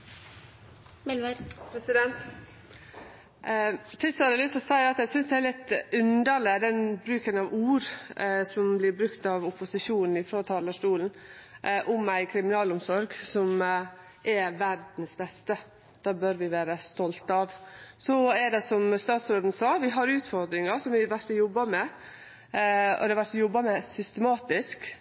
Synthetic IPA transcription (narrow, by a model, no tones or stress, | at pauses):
mɛlpʰɾɛsɪd̪ɛnt̪ | t̪ʰɪsɑɾəlʏst̪ɔsæɪɾɑt̪jæɪsʏnsd̪ɛæɾlɪt̪ːʉnd̪əlɪd̪ɛnbɾʉːkənɑʋuːɾsɔmblɪɾbɾʉkt̪ɑʋʊpʊsɪʂuːnn̩ɪfɾoɔt̪ʰɑːləʂʈuːln̩ʔʊmæɪkʰɾɪmɪnɑːlʊmsɔɾɡsɔm | ʔɛʋæɾd̪n̩sbɛst̪ə | d̪̥ɑːbœɾʋɪʋæːɾəst̪ɔlt̪ɑʋsɔɛdɛsɔmst̪ɑːt̪sɾoːd̪n̩sɑːʋɪɦɑɾʉːt̪fɔɾd̪ɾɪŋɑsɔmʋɪʋæɾʈ̪ːɔjɔbːɑmɛ | ɔ̰d̪ɛɑʋæʈ̪ːɔjɔbːɑmɛsʏst̪əmɑːt̪ɪsk